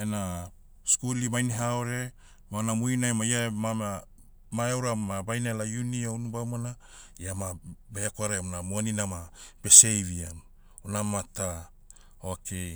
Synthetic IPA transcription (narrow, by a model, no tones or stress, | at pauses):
ena | skulimajniɦaoɾe̞ | maonamujnaemajamaa | maewɾaabajnalajuniaunubamana | jamabajakoaɾeonamuaninamab̥e̞sejβiam | onamata | okej